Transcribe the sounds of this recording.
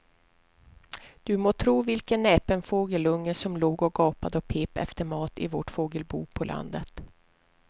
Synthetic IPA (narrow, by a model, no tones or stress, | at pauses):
d̪̥ɵmoːt̪ʰɾuːvɪlkənːɛːpənfoːɡəlɵŋːəsɔmloːɡɔɡɑːpad̪əɔpʰeːpɛ̰ft̪əɾmɑːt̪ɪ̰voːʈfoːɡəlbṵːpʰɔlʔa̰nd̪ət̪